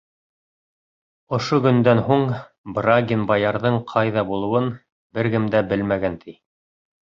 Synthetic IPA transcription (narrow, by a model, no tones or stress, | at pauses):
ŏʃoɡɵ̆nd̪ænɦuɴ | braɡʲinbɑjɑɾðɤɴqʰɑjðɑbulˠɤ̆wɤn | bɘ̆ɾɡɘmd̪æbɘlmæɡænt̪ʰi